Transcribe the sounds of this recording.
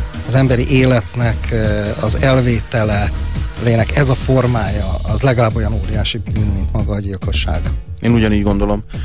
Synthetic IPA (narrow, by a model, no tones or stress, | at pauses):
ɒzɛmbɛɾḭʔeːlɛt̪nɛkʰɒzɛlveːt̪ɛlɛleːnɛkɛzɒfo̞rmaːjɒɒzlɛɡɒlaːbːo̞jɒnoːɾijaːʃibyːnmint̪mɒɡɒːɟilko̞ʃːa̰ːɡeːnuɟɒniːɟɡo̞nd̪o̞lo̞m